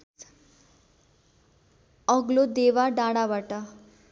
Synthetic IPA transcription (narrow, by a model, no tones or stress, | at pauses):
ʌɡlod̪eʋaɖaɽabaʈa